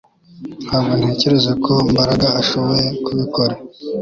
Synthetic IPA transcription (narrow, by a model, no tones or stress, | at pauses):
haːbɡon̥he̞ːce̞ɾe̞zakʰo̞mbaɾaɡaaʃo̞βojekʰuβiko̞ɾa